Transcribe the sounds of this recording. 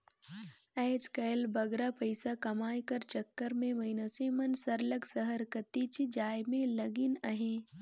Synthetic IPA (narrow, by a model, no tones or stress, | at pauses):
ɛːd͡ʒkɐːlbɐɡɾapəɪsakɐmaːjkɐɾt͡ʃɐkːəɾmẽmɐɪnasemɐnsɐɾləksəɦəɾkət̪it͡ʃid͡ʒaːjmẽlɐɡɪnɐɦẽː